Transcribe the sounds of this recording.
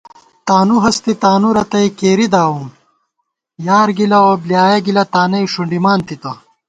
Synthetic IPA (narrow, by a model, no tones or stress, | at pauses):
t̪aːnuɦɐst̪it̪aːnuɾɐt̪ɐikeːɾid̪aːwum | jaːɾɡilɐoblijaːjɐɡilɐt̪aːnɐjʂuɳɖimaːnt̪it̪ɐ